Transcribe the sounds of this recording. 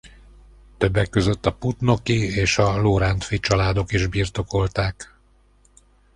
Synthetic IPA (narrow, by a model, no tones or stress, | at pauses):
t̪ø̞bːɛkːø̞zø̞t̪ːɒput̪no̞kieːʃɒloːɾant̪fit͡ʃɒlaːd̪o̞kiʒbiːrt̪o̞ko̞lt̪aːk